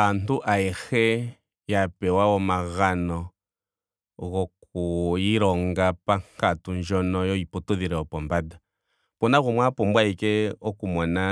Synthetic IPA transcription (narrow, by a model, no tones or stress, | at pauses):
antuʔaɛxɛ | japɛwaɔmaɣanɔ | ɣɔk̚ujiɾɔŋɡapaŋkatund͡ʒɔnɔjɔipɔtuðiɾɛɔpɔmbada | pɔnaɣumwapɔmbwaikɛɔkumɔna